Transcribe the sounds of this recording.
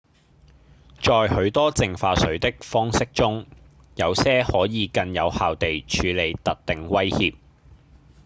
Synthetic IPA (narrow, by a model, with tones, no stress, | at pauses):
t͡ʃɔː˨˧jhɵ˨˥ɥt̪ɔː˥t͡sɪ˨ŋfaː˧sɵ˨˥ɥt̪ɪ˥k̚fɔː˥ŋsɪ˥k̚t͡sʊ˥ŋ | jɐ˨˧wsɛː˥hɔː˨˥jiː˨˧kɐ˧njɐ˨˧whaː˨wt̪e˨jt͡ʃʰyː˨˧le˨˧jt̪ɐ˨t̚t̪ɪ˨ŋwɐ˥jhiː˧p̚